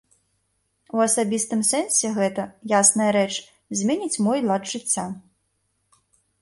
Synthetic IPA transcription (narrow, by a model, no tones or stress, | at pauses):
uɐsabʲist̪ɨmsɛnsʲɛɣɛt̪ɐjasnɐjɐɾɛt͡ʂ | zʲmʲɛnʲit͡sʲmɔjlˠad̪ʐɨt͡sʲːa